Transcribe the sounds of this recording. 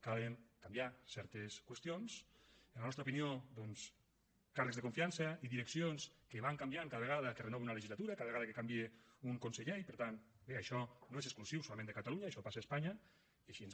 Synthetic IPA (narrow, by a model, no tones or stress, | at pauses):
kaleŋkambiasɛɾt̪eskwəst̪jons | enlanɔst̪aupiniod̪ɔns | karəkzðəkoɱfiansaiðiɾeksionskeβaŋkambjaŋkaðəβeɣaðəkərenɔβenunaələʒizlat̪uɾakaðəβeɣaðəkekambieuŋkonseʎeipəɾt̪anbeaʃɔnoezeksklusiwsolamẽnd̪əkat̪aluɲaːʃɔpasaːspaɲa | iaʃiənz